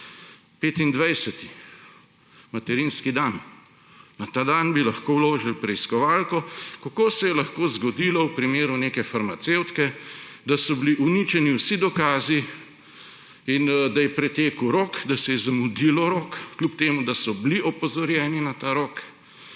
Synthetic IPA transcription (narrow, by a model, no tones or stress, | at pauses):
peːt̪ind̪ʋajsɛt̪i | mat̪ɛɾiːnskid̪an | nat̪aːd̪anbilɐxkowloːʒilpɾɛiskɔʋaːlkɔkakoːsɛjɛlɐxkoːzɡɔd̪iːlɔwpɾimeːɾuneːkɛfaɾmat̪sewt̪kɛd̪asɔbliʔunit͡ʃɛniwsid̪ɔkaːzi | ind̪ajɛpɾɛt̪eːkəwɾoːkd̪asɛjɛzamud̪iːlɔɾoːkːlʲupt̪eːmud̪asɔbliʔɔpɔzɔɾjɛːninat̪aɾoːk